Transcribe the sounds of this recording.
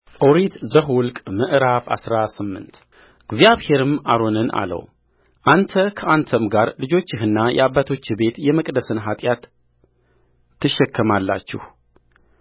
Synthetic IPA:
ʔoɾit̪zəɦwʊlkʼmɨʔɾafa̰sɾasɨmːɨ̰nt̪ | ɡzijaβhe̞ɾɨma̰ɾo̞nɨnʔa̰lə̰w | ʔant̪ʰəkʰəʔant̪ʰəmɡaɾlɨd͡ʒo̞t͡ʃːɪɦɨnːajʔɛ̰abːat̪ʰo̞t͡ʃːɪbe̞t̪jɛməkʼd̪əsɨnɦat̪ʼjat̪ | ɨʃːɛkʰːɨmalːa̰t͡ʃːɪ̰h

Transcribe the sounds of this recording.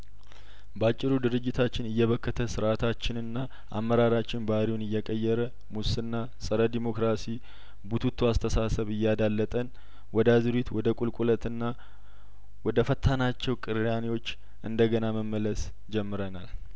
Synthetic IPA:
bəat͡ʃʼːɪɾud̪ɨɾɨd͡ʒːɪt̪ʰat͡ʃːɪnɨjːɛβəkːət̪ʰəsɨɾʔat̪ʰat͡ʃːɪnɨnːa | ʔamːəɾaɾat͡ʃːɪnbaɾiwunɨjːɛkʼəjːɛɾə | musɨnːa | sʼəɾəd̪imo̞kɾasi | but̪ʰut̪ʰːuast̪ʰəsasəβɨjːad̪alːət̪ʼən | wɔd̪azɨɾit̪wɔd̪əkʼulkʼulət̪nːa | wɔd̪əfət̪ʰːanat͡ʃːɛwkʼɨɾjanewo̞t͡ʃː | ʔɨnd̪əɡənaməmːələs | d͡ʒɛmːɨɾənal

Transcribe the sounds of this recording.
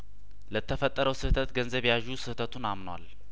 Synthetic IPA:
lət̪ʰːəfət̪ʼːəɾəwsɨht̪ʰət̪ɡənzəβjaʒːusɨht̪ʰət̪ʰunamnwa̰l

